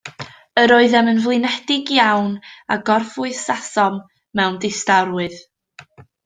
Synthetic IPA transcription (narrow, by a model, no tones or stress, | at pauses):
əɾɔɨðɛmənvlˠɨnɛdɪɡjawnaɡɔrfʊɨsasɔmː | ɛwndɪstaɾwɨð